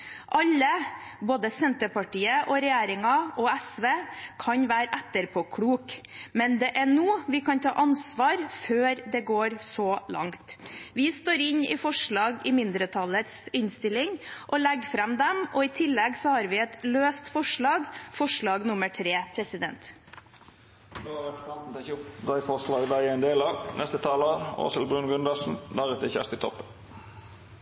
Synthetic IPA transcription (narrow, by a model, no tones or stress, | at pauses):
ʔɑlːəboːd̪əsɛnt̪əpɑʈiːəʔɔɾɛjæːɾɪŋɑɔɛsʋeːkʰɑɲʋæːɾʔɛt̪ːəɾpʰoːkʰɽuːk | mɛnd̪ɛʔæɳuːʋɪkʰɑnt̪ʰɑ̰ːʔɑnsʋɑːɾføːɾd̪ɛɡoːɾsɔlɑ̰ŋt̪ʋɪst̪oːɾɪɲɪ̰fɔʂɭɑːɡɪmɪnd̪ɾət̪ʰɑlət̪sɪnst̪ɪlɪŋʔɔlɛɡfɾɑmd̪ɛmɔɪt̪ʰɪlːɛɡsɔhɑːɾʋɪɛt̪løːst̪fɔʂɭɑːɡfɔʂɭɑːɡnʊməʈʰɾeːpʰɾɛsɪd̪ɛ̰nt̪ | d̪oːɑʁɛpst̪ɑnt̪n̩t̪ʰɛçʊpd̪æɪfɔʁslɑːɡd̪æɪɛɪnd̪eːlɑːʋnʔɛ̰st̪ət̪ʰɑːləo̰ːsəlbʁʉnɡʉnd̪ɑsn̩d̪æʁɛt̪əçæ̰ʁst̪ɪt̪ʰɔ̰pːən